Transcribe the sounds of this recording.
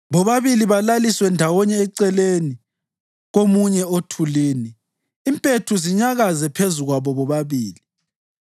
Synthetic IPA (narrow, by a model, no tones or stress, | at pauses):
βɔβaβiliβalaliswɛndʱawɔɲɛːǀɛleni | ɣomuɲɛotʰuliːniː | mpʼetʰuziɲaɣazɛpʰezuɣwaβɔβɔβaβiːli